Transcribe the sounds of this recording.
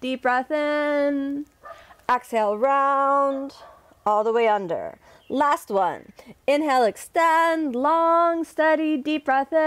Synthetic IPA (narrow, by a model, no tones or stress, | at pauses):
d̥ip̚b̥ɹɛθɪn | ʔækseɪlˠɹãʊ̃nd | ɔlˠðəweɪʌ̃ndə̰˞ | læst̚wʌ̰̃nɨ̃nɦɛlˠɨkstɛ̃ndlɔŋstʌɾidipɹɛθɪ̃